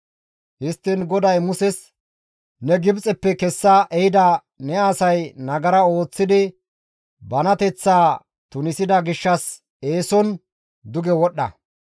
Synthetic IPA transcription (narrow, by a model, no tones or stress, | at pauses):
hɪst̪ːɪnɡɔd̪ɐjmʊsɛs | nɛɡɪbt͡sʼɛpːɛkɛsːɐʔɛjɪd̪ɐ | nɛaːsɐjnɐɡɐɾɐo̞ːt͡sːɪd̪ɪ | bɐnɐt̪ɛt͡sːaː | t̪ʊnɪsɪd̪ɐɡɪʃːɐs | e̞ːsɔn | d̪ʊɡɛwɔɗːɐ̰